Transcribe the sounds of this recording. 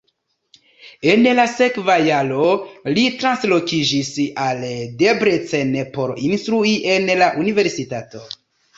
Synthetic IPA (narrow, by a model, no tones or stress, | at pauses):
e̞nlase̞kvajalo̞litɾanslo̞kid͡ʒisalde̞bɾet͡senepo̞ɾinstɾuiʔe̞nlaʔunive̞ɾsitato̞